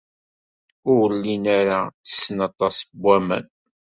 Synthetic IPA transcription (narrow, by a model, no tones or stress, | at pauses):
ʊwlːinaɾaə̥sːənɑt̪ˤɑsbʷːæmə̰n